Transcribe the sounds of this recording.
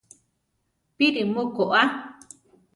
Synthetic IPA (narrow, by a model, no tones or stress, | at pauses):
piɾimokoʔa